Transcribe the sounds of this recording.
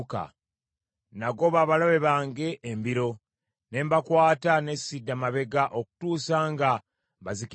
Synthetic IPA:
ka̰ | naɡo̞βaːβalaβe̞βaːŋɡe̞ʔːmbiɾo̞ | ne̞mbakwaːtane̞sidːamaβe̞ɡaʔo̞ku̥tuːsaːŋɡa | βazik

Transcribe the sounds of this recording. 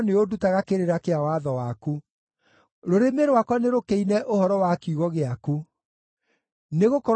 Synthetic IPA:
neodutaɣakeɾeɾakeawaðɔwaku | ɾoɾemeɾowakwaneɾokeinɛʔohɔɾɔwakuɣɔɣeaku | neɣokɔɾ

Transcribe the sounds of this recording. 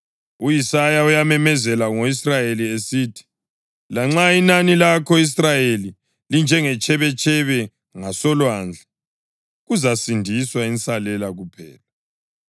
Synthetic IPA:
ujisajaujamɛmɛzɛlaŋoisrajeliesitʰi̥ | laŋ͡ǁainanilakʰɔis̬rajeli | lind͡ʒʱɛŋɛt͡ʃʰʼɛβɛt͡ʃʰʼɛβɛ | ŋasɔlwand͡ɮʱa | ɣuzasindʱiswaint͡sʼalɛlaɣupʰɛ̰ːla

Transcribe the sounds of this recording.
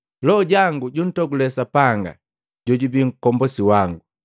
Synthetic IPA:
lɔɟaŋɡuɟun̩tɔɡulɛsapaŋɡa̰ | ɟɔɟubiŋ̩kɔmbɔsiwaŋɡu

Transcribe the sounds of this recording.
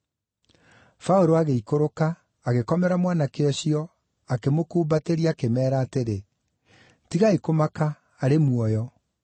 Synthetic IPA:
faoɾoaɣeikoɾokaː | ɣekɔmɛɾamwanakeɔɕiɔ | akemokuːbateɾiakemɛːɾaːteɾe | tiɣaikomakaː | ɾemwɔjɔ

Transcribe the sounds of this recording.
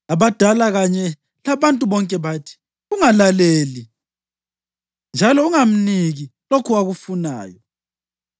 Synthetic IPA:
aβad̥ʱalaɣaɲɛ | laβantʼuβɔŋkʼɛβatʰi̥ | ɣuŋalaleːli | nd͡ʒʱalɔuŋam̩niɣilokʰuaɣufuna̰ːjɔ

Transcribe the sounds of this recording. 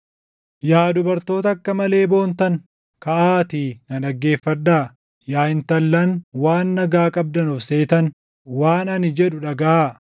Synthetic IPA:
jaːd̪ʊbɐɾt̪o̞ːt̪ɐːkːɐmɐle̞ːbo̞ːnt̪ɐŋ | kɐʔaːt̪inɐᶑɐɡːe̞ːfːɐd̪aː | jaːɪnt̪ɐlːɐnwaːnːɐɡaːkʼɐb̚d̪ɐnɔfse̞ːt̪ɐn | waːnɐnɪd͡ʒɛᶑʊᶑɐɡɐaː

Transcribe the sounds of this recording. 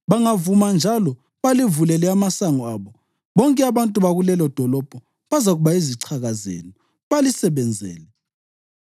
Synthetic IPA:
βaŋavumand͡ʒʱalɔ | βalivulɛlɛamasaŋɔaːβɔ | βɔŋkʼɛaβantʼuβaɣulɛlɔd̥ʱɔlɔb̥ʱɔ | βazaɣuβaiziǀʰaɣazḛːnɔ | βalisɛβɛnd͡zʱɛ̰ːlɛ

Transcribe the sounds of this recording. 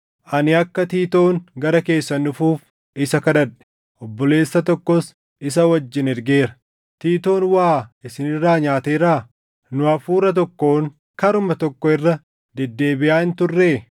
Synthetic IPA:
ʔɐnɪɐkːɐt̪iːt̪o̞ːŋɡɐɾɐke̞ːsːɐnʊfuːf | ɪsɐkɐd̪ɐᶑɛ̥ | ʔɔbːɔle̞ːsːɐt̪ɔkːɔs | ɪs̬ɐwɐd͡ʒːɪnɛɾɡe̞ːɾɐ̥ | t̪iːt̪o̞ːnwaːʔɪsɪnɪrːaːɲaːt̪eːɾaː | nʊɐfuːɾɐt̪̬ɔkːo̞ːŋ | kɐɾʊmɐt̪ɔkːɔɪrːɐ | d̪ɛd̪ːe̞ːbɪʔaːɪnt̪ʊrːeː

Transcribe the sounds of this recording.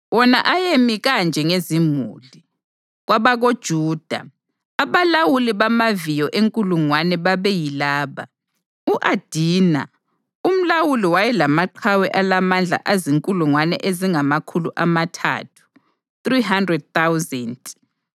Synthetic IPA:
wɔnaʔajemiɣand͡ʒʱɛŋezimṵːli | ɣwaβaɣod̥ʒ̥ʱuːd̥ʱa̰ | aβalawuliβamavijɔʔeŋkʼuluŋwanɛβaβɛjilaːβa | uʔad̥ʱiːna̰ | um̩lawuliwajɛlamaǃʰawɛʔalamand͡ɮʱa̰ʔaziŋkʼuluŋwanɛ̰ʔeziŋamakʰuluʔamatʰa̰tʰu̥ | θriɦandrɛd̚t̪awzɛntʼ

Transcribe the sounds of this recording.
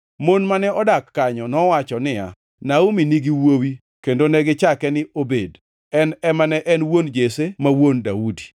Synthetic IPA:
monmanɛɔdakːaɲɔnɔwat͡ʃɔnɪja̰ | nauminiɡiwowi | kendonɛɡɪt͡ʃakɛnɪobed | ɛnɛmanɛʔɛnwond͡ʒesemawondaudi̥

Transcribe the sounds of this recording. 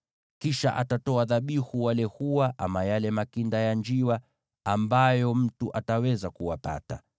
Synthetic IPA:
kiʃa̰ʔatatɔaðaɓihuwalɛhuwaʔa̰majalɛmakindajand͡ʒiwa | ambajɔm̩tuʔatawɛzakuwapa̰ta̰

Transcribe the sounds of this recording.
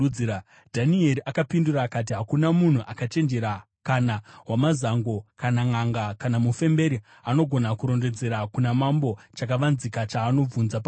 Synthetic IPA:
a | dʱanie̞ɾiʔakapinduɾaːkat̬iɦakunamun̤uʔakat͡ʃe̞nd͡ʒe̞ɾa | kanaɦwamazaŋɡo̞kanaŋaŋɡakanamufe̞mbe̞ɾi | ano̞ɡʱo̞nakuɾo̞nde̞d͡ze̞ɾakunamambo̞t͡ʃakaʋanzikat͡ʃaːno̞b͡vunzapa

